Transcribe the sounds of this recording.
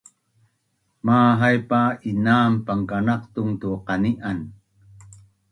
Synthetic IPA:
maːɦajpainaːmpaŋkanɑqt̪ʊŋt̪uqɑniʔan

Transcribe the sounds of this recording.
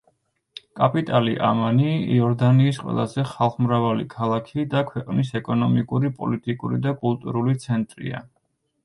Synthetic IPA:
kʼapʼit̪ʼaliʔa̰manḭːɔɾd̪aniːsqʼwɛ̰lˠazɛχalˠχmɾavalḭkʰalˠakʰid̪akʰwɛqʼnisɛkʼɔnɔmikʼuɾipʼɔ̰lit̪ʼikʼuɾid̪akʼulˠt̪ʼuɾulit̪sʰɛnt̪ʼɾḭa̰

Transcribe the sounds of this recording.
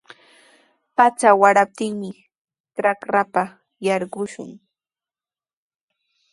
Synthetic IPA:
pat͡sawaɾap̚t̪ɪŋmɪ | ʈ͡ʂɾakɾapa | jɑɾɢʊʃʊ̰ŋ

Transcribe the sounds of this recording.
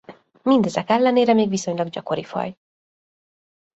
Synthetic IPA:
mind̪ɛzɛkɛlːɛneːɾɛmeːɡʋiso̞ɲlɒɡɟɒko̞ɾifɒ̰j

